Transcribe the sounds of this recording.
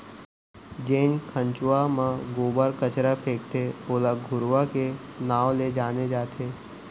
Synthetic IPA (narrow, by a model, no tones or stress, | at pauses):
d͡ʒeːnkʰə̃ɲt͡ʃʊwamãɡoːbəɾkət͡ʃɾapʰeːk̚t̪ʰeoːlaɡʱʊɾʋakenaːwled͡ʒaːned͡ʒaːt̪ʰeː